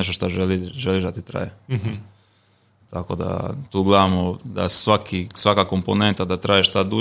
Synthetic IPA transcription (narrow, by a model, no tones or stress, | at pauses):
eʃt̪oʃt̪aʒeliʒeliʒd̪at̪it̪ɾa̰ːje | t̪akod̪a̰t̪uːɡlad̪amod̪a̰sʋakisʋakako̞mpone̞nt̪ad̪at̪ɾaːjeʃt̪ad̪u